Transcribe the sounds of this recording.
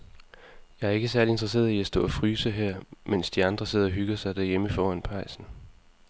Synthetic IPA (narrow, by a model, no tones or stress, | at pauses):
jɑ̈ɪæɐe̝ɡ̥əsæɐlie̝nd̥ʁɐse̝̰ːɐiæsd̥ɔ̰̽ːæfʁyːsəɦeɐ̰men̰sd̥iɑ̈nd̥ʁɐse̝ð̞̰ˠɐɒɦyɡ̥ɐsɑ̈ɪd̥æɐjeməfɒːænpʰɑ̈ɪsn̩